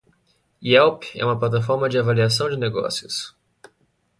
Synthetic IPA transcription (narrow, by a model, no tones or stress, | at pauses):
iɛwpɛ̰ũmɐp̬lat̪afɔɾmɐd͡ʒɪavaliasɐ̃w̃d͡ʒɪneɡɔ̰sjʊs